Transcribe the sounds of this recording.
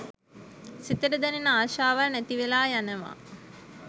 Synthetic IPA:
sit̪əɖəd̪ɛninaːʃaːʋalnæt̪iʋelaːjanəʋa̰

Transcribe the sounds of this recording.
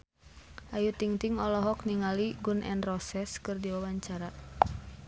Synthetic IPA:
ʔajut̪iŋt̪iŋɔlɔɦɔk̚niŋaliɡunʔɛ̰nrɔsɛskɨrdiwawaɲt͡ʃaɾa

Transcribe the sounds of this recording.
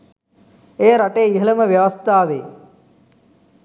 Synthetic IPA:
ejəɾaʈeːiɦɐləməʋjɐʋɐst̪ʰaːʋeː

